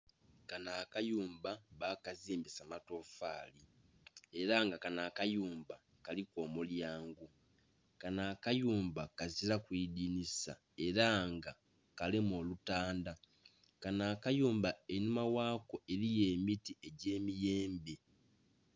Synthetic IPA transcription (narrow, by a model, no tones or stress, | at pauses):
kanakajuːmbaβakaziːmbisamato̞faːli | e̞ɾaŋɡakanaːkajuːmba | kaliko̞ːmuljaːŋɡu | kanaːkajuːmbakazilakwiːdinisa̰ | e̞ɾaŋɡa | kalimoːlutaːnda | kanaːkajuːmbaenumawaːko̞e̞ɾije̞ːmitie̞ɟe̞ːmijeːmbe̞